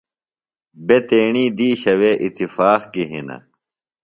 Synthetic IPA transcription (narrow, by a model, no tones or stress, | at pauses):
bet̪eːɳiːd̪iːɕɐweːʔit̪ːifaːqkiɦinɐ̰